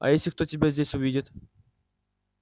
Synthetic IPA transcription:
a̰esʲɪk̚t̪ot̪ʲibʲezʲd̪ʲesʲuvʲid̪ʲit̪

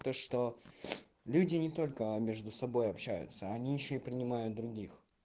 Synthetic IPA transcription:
t̪əʂt̪o̞ | lʲudʲɪnʲɪt̪o̞lʲkəmʲeʐd̪ʊsɐbo̞jɐpɕːæ̰jʊ̰t̪səɐnʲijɪɕːoɪpɾʲɪnʲɪmajʊt̪̚d̪ɾʊɡʲix

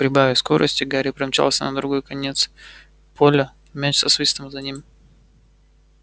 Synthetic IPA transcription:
pɾʲɪbavʲɪsko̞ɾʔə̰sʲtʲɪɡaɾʲɪpɾɐmʲt͡ɕa̰lˠsʲə̰nəd̪ɾʊɡo̞jkɐnʲe̞t̪s | pʰolʲə | mʲat͡ʃsɐsvʲist̪əmzɐnʲim

